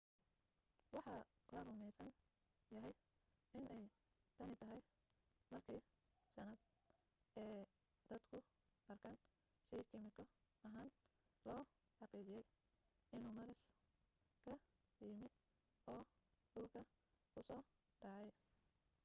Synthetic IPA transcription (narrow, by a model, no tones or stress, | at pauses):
wɑħɑlɐrʊmɛjsɐn | jɐɦɛj | ɪnʔɛj | t̪ʰɐnɪt̪ʰɐɦɛj | mɐrkʰiː | sɐnɐd̪̚ | ɛː | d̪̥ɐd̪kʰʊ | ɐrkʰɐːn | ʃɛjkʰɪmɪkʰɔ | ɐɦaːn | lɔː | ħɑqiːt͡ʃɪjɛj | ɪnuːmɐɾɪs | kʰɐ | jɪmɪ | ɔːɖʊlkʰɐ | ʊsɔː | ɖɑːʕɛj